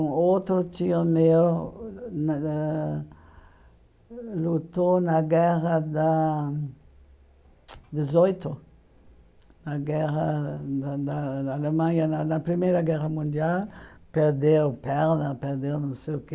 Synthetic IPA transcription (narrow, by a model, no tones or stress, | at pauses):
ũot̪ɾʊt̪iɲɐmew | n | lut̪onɐɡɛʁɐd̪a | d̪ezojt̪ʊ | nɐɡɛʁɐd̪ad̪aaalemɐ̃ɲɐnanɐpɾimejɾɐɡɛʁɐmũnd̪ialpeɾd̪ewpɛɾnɐpeɾd̪ewnõw̃seke